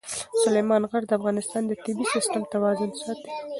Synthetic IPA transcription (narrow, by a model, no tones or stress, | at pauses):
sʊlejmɑnɣaɽd̪əafɣɑnɪst̪ɑnd̪ət̪ɪbisɪst̪amt̪awɑzʊnsɑt̪i̥